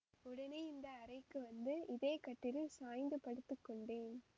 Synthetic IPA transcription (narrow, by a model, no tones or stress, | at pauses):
ʊɽɐneːɪnd̪ɐːɾɐɪkːɯʋɐnd̪ɯɪðeːkɐʈːɪɾɯsaːjnd̪ɯpɐɽɯt̪ːɯkːɔɳɖeːn